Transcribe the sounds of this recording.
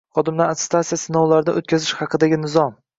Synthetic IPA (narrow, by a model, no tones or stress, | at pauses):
χɒd̪ɪmd̪aat̪st̪ʰat̪sijasɪnɒwlaɾd̪a̰ʔo̰t̪̚kʲazɪʃhɑqʰɨd̪aɡʲɪnɪzɒm